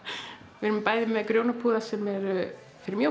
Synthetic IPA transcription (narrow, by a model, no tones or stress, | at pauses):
vɪɾʏmpaːjðɪmːɛðkɾjownapʰuːðasɛmɛɾ | fɪɾɪɾmjœ